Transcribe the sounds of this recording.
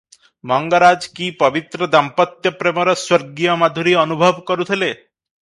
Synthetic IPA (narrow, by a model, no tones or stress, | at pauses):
mɔŋɡəɾad͡zkiːpəʋit̪ɾəd̪ampət̪jəpɾeməɾəsʋəɾɡijəmad̪ʱuɾiːənubʱəʋkəɾut̪ʰele